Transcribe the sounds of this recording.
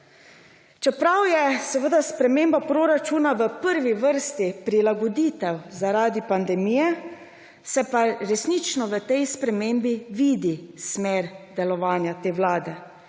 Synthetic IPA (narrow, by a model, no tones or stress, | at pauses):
t͡ʃɛpɾawjɛsɛʋəd̪aspɾɛmembapɾoɾat͡ʃuːnaʋəpəɾʋiʋəɾst̪ipɾilaɡɔd̪iːt̪ɛwzaɾaːd̪ipand̪ɛmiːjɛ | sɛpaɾɛsnit͡ʃnɔʋət̪ɛjspɾɛmeːmbiʋiːd̪ismeːɾd̪ɛlɔʋaːnjat̪eːwlaːd̪ɛ